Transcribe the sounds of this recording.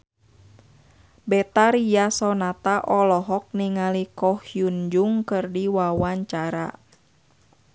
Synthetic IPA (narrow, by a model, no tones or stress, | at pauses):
bɛt̪aɾijasɔnat̪aʔɔlɔɦɔk̚niŋalikɔhjuɲd͡ʒuŋkɨrdiwawaɲt͡ʃaɾa̰